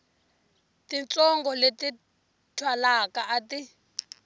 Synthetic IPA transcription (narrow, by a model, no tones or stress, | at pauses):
tint͡sɔŋɡɔleti | tʰwalakaʔati